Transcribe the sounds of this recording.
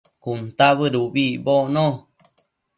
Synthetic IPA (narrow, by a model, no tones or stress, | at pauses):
kunt̪aβəɾubiboʔnõ